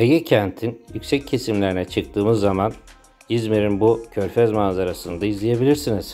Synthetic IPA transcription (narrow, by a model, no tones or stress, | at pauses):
ejɛcʰɛnt̪ʰinjycsɛcʰːe̞simlʲeɾinɛt͡ʃʰɯk̚t̪ʰɯːmɯzːaman | izmeɾinbucʰøɾfɛzmaːzaɾasɯnd̪aizlʲije̞bilʲiɾsiniz̥